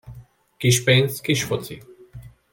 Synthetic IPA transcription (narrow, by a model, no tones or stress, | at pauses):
kiʃpeːnskiʃfot͡sʰḭ